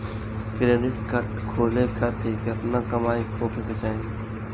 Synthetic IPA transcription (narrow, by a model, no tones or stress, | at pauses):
kɾeːɖɪʈkɐʈkʰoːlekɐt̪ʰekiɐpnakɐmaːipoːkeket͡ʃaːẽ